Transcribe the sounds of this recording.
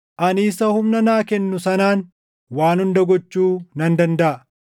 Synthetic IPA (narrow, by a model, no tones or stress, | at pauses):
ʔɐniːsɐhʊmnɐnaːkɛnːʊsɐnaːn | waːnhʊnd̪ɐɡɔt͡ʃːuːnɐnd̪ɐnd̪ɐʔɐ